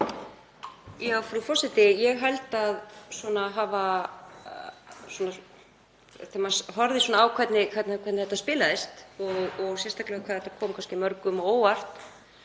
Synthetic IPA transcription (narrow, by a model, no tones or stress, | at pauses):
awfɾufɔsɪt̪ɪjɛɣɦajlt̪aðswɔnaɦaːva | swɔːna | θɛmasɦɔɾðɪsɔnaːwkʰvɛt̪nɪkʰvɛt̪nkʰɛt̪nɪθɛt̪aspɪːlaðɪst̪ɔɣɔɣsjɛst̪ʰaklɛakʰaːðhɛt̪akʰɔːmkʰanscɪmœɾkʏmɔoːwar̥t̪